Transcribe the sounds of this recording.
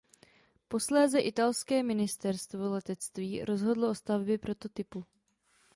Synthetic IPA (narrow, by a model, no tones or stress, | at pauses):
po̞slɛːzɛʔɪt̪alskɛːmɪnɪst̪ɛɾst̪vo̞lɛt̪ɛt͡st̪viːɾo̞zɦo̞dloʔo̞st̪avbjɛpɾo̞t̪o̞t̪ɪpu